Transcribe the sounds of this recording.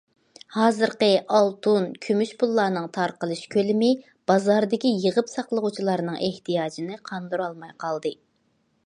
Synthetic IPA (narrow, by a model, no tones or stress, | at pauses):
hɑːzɨɾqəʔɑlˠt̪ʰunkʲʰymyʃpulˠːɑɾnɨŋt̪ʰɑɾqəlˠɨʃkʲʰølɪmɪ | b̥ɑzɑɾd̪ɪkʲijəʁəpsɑqlˠəʁut͡ʃʰilˠɑɾnɨŋʔeht̪ijɑːd͡ʒinɨqʰɑnd̪uɾɑlˠmɑjqʰɑlˠd̪ɨ